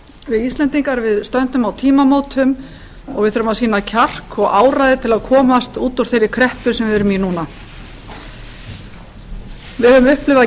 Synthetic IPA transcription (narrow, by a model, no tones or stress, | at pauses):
vɪðist̪lɛnt̪iŋkaɾvɪðst̪œnt̪ʏmawt̪ʰiːmamoːwt̪ʰʏm | ɔ̰ɣvɪðθʏɾʏmawsiːnacʰar̥kɔɣaːwɾajðɪt̪ʰɪlaðkʰɔːmast̪uːt̪uɾ̥t̪θejɾɪkʰɾɛhpʏ̥sɛmvɪɛɾʏminuːna | vɪðhœvʏmʏhplɪvða